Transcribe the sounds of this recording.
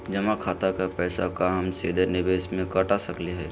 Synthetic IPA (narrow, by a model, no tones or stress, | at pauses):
d͡ʒɐmakʰaːt̪akapɛːsakaɦɐmseːd̪ʱenɪbeːsmẽkɐʈasɐkleɦɛː